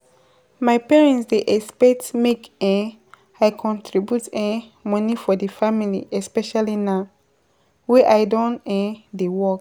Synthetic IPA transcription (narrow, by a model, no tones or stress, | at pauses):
majpɛɹɛ̃ntsdeʔɛspɛtmekɛ̃ | aɪkʰɔ̃ntʰɹibjutɛ̃mɔ̃nifɔdefamilḭʔɛspɛʃalina | wɛʔajdɔ̃nɛ̃dewɔk